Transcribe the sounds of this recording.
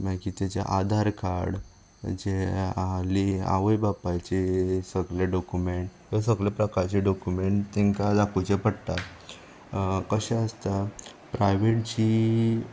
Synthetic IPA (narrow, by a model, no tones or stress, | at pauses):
mãkit̪jat͡ɕa̰ʔad̪ʱaɾkaɾɽ | d͡ʑealia̰ʋəjbapajt͡ɕesəɡleɖɔkumeɳʈɦes̬əɡlepɾəkaɾt͡ɕiɖɔkjumeɳʈt̪ɛ̃ŋkad̪akut͡ɕepəɽt̪a | kəɕɛ̃əst̪a | pɾajʋeʈt͡ɕi